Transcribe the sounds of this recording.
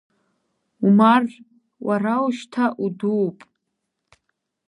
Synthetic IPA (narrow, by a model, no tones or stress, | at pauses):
umar | warauʃtʰaʔuduːpʼ